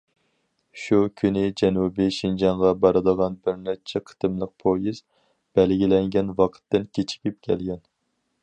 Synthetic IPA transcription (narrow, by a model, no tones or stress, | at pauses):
ʃukʲʰynɪd͡ʒɛnubiʃind͡ʒɑɴʁɑbɑɾɨd̪əʁɑnbɪɾnɛt͡ʃʰɛqʰə̥t̪ʰɨmlˠəq̚pʰojiz | b̥ɛlɡʲilɛŋɡʲɛnwɑqʰə̥t̪ːɪnkʲʰet͡ʃʰi̥kʲip̚kʲʰɛlɡʲɛn